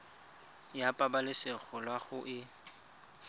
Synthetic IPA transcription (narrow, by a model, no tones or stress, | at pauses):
japʼabalɪsɪɣʊlwaɣʊʔɪ